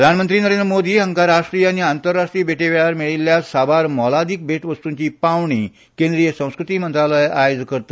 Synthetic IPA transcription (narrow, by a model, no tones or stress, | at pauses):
ɾəd̪ʱanmənt̪ɾiːnəɾend̪ɾəmod̪ʱiːɦəŋkaɾaʂʈɾijañiant̪əɾːaʂʈɾiːbʱeʈeʋeɭaɾmiɭilːjasabaɾmɔlad̪ik̚bʱeʈʋəst̪uɲt͡ɕiːpaʋɳiː | kẽnd̪ɾijəsə̃w̃skɾut̪iːmənt̪ɾaləjajod͡zkəɾt̪ḁ